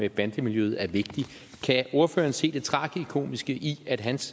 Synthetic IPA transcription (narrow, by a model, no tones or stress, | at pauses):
eb̥ænd̥əmiljøð̞̩ˠæɐʋe̝ɡ̥̚d̥i | kʰæo̝ɐfø̰ːɐnse̝̰ːd̥e̝t͡sʰʁɑ̰̈ːɡ̥əikʰo̝̰ːmisɡ̥əʔiæd̥ɦæns